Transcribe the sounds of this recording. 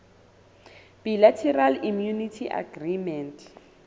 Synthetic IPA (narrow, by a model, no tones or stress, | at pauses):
b̥ilatʰɛralimjunitʰiʔa̰ɡrimɛnt